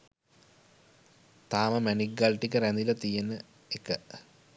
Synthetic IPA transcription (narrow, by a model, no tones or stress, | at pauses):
t̪aːmɐmæniɡːalʈikəɾænd̪ilɐt̪ijenə | ekə